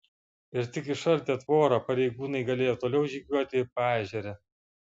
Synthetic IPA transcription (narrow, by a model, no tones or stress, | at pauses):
ɪɾt̪ʲɪkɪʃɐlʲt̪ʲeːt̪ʋoːɾɐpɐɾʲɛɪɡuːnɐɪɡɐlʲeːjoːt̪oːlʲɛʊʒʲiːɡʲuɔt̪ʲɪɪpɑːʒʲɛɾʲɛ